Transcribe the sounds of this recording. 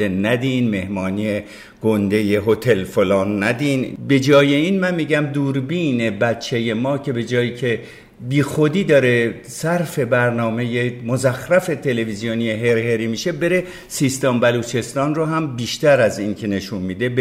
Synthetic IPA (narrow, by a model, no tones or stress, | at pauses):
enæd̪inme̞hmɒːnie | ɡ̥ond̪e̞je̞ɦot̪ʰe̞lfolɒːnːæd̪iːnbe̞d͡ʒɒːje̞iːnmænmiːɟæmd̪uːɾbiːne̞bæt̪t͡ʃʰːe̞je̞mɒːcʰe̞be̞d͡ʒɒːjiːcʰe̞ | biːxod̪iːd̪ɒːɾe̞ | sæɾfe̞bæɾnɒːme̞je̞mozæxɾæfe̞t̪ʰe̞le̞vizijonijeɦe̞ɾhe̞ɾiːmiʃe̞be̞ɾe̞ | siːst̪ɒmbæluːt͡ʃʰe̞st̪ɒːnroɦæmbiːʃt̪æɾæziːnkʰe̞ne̞ʃunmiːd̪e̞b